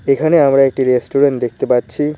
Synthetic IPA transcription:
ekʰaneamɾaek̚ʈiɾesʈuɾeɳʈd̪ek̚ʰt̪epatːɕʰi

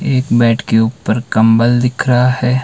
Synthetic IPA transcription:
eːkbɛːʈʰkeuːpəɾkɐ̃mbəld̪ɪkʰɾɐɦaɦɛː

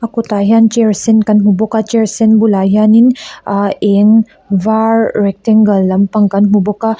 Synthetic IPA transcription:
ɐkutajant͡ʃeɾsenkɐnɦubɔkat͡ʃeɾsenbulajanin | eŋ | vaɾɾek̚teŋɡɐlːɐmpɐŋkɐnɦubɔka

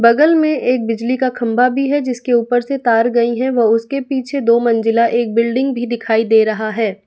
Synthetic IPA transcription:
bɐɡəlmẽeːk̚bɪd͡ʒlikakʰɐ̃mbʱabʱiɦɛd͡ʒɪskeuːpəɾset̪aːɾɡɐiɦɛ̃ʋɐʊskepiːt͡ʃʰed̪oːmɐ̃nd͡ʒɪlaʔeːk̚bɪlɖɪ̃ŋɡbʱid̪ɪkʰaːid̪eːɾɐɦaɦɛː

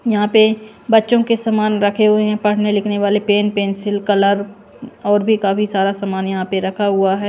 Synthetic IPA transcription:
jɐɦãpe | bɐtːʃõkesɐmaːnɾɐkʰeɦʊeɦɛ̃pɐɽ̤nelɪkʰneʋaːlepeːnpẽːnsɪlkɐləɾ | ɔːɾbʱikaːpʰisaːɾasɐmaːnjɐɦãpeɾɐkʰaɦʊaɦɛː

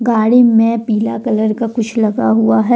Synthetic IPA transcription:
ɡaːɽimẽpiːlakɐləɾkakʊt͡ʃʰlɐɡaɦuaɦɛ

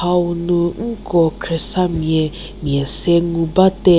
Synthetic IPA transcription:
aunuŋ̩kɔkɾesamje | mjeseŋubate

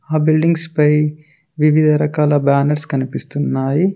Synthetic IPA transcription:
aːbilɖiŋɡspɐj | ʋiʋid̪ʱɐɾɐkaːlɐbaːnɐɾskɐnipist̪unːaːji

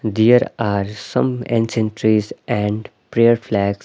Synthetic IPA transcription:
d̪eəɾaːɾsʌ̰̃mḛ̃nsɛ̃ɳʈɾizɛ̃ɳɖpɾeəɾflɛːɡs

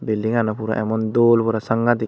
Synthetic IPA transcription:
belːiŋanɐpuɾa̰ʔɛmɔnd̪oːlpuɾasaŋɡat̪i

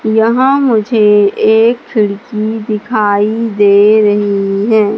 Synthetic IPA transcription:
jɐɦãmʊd͡ʒʱeeːkkʰːɪɽkid̪ɪkʰaːid̪eːɾɐɦiɦɛ̃ː

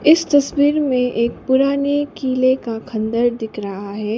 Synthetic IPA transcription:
ɪst̪ɐswiːɾmẽʔeːk̚pʊɾaːnekiːlekakʰɐ̃nd̪əɾd̪ɪkʰɾɐɦaɦɛː

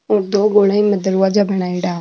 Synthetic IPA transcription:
oːd̪oːɡoːlãːĩːməd̪əɾuaːd͡ʒaːbəɽ̃aːiɖaː

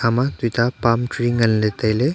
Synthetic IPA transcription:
amat̪it̪apamʈɾiŋɡənlet̪ajle

